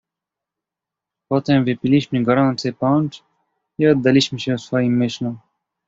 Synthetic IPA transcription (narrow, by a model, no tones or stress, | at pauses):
pɔt̪ɛmvɨpʲiliɕmɨɡɔɾɔnt̪sɛpɔnt͡ʂ | iɔd̪ːaliɕmɘɕɛwsfɔjimːɪɕlɔm